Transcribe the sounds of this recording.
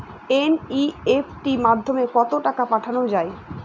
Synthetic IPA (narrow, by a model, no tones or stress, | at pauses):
eniefʰʈimad̪ʱːomekɔt̪oʈakapaʈʰanod͡ʑae